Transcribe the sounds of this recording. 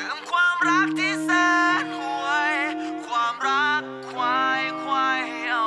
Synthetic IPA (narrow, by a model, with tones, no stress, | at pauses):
ɯ˩˦ŋkʰwaː˧mɾa˦˥k̚t̪ʰiː˧˥˩səː˧nwu˧˩əjkʰwaː˧mɾa˦˥kʰːwaː˧jkʰwaː˧j